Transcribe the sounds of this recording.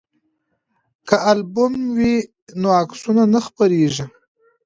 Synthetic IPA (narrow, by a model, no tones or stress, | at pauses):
kaalbʊmwi | noaksunanaxpaɾeʒi